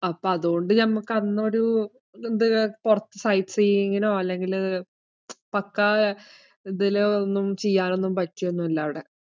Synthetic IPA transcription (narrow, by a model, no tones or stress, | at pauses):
ɐpːoɐðuɣo̞ɳɖɨnɐmːukːɐnːɐoɾu | end̪ɨpurɐt̪ːɨsɐjtsejːiŋːɐnoːɐlːe̞ŋɡil | pɐkːɐ | iðilonːumt͡ɕe̞jːaːno̞nːumpɐtːujo̞nːumɐlːɐʋiɽe̞